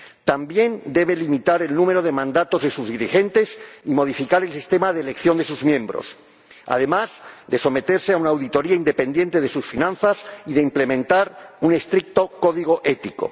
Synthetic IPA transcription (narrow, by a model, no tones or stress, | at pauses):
t̪ambje̞nd̪e̞βe̞limit̪aɾe̞lnũme̞ɾo̞ðe̞mãnd̪at̪o̞zðe̞suzðiɾixe̞nt̪e̞simo̞ðifikaɾe̞lsist̪e̞maðelekθjond̪e̞suzmjẽ̞mbɾo̞̰s | a̰ð̞e̞mazd̪e̞so̞me̞t̪e̞ɾseaunaːwðit̪o̞ɾiaind̪e̞pẽ̞nd̪jent̪e̞ðe̞susfinãnθasiðe̞imple̞mẽnt̪aɾune̞st̪ɾik̚t̪o̞ko̞ðiɣo̞ʔe̞t̪iko̞̰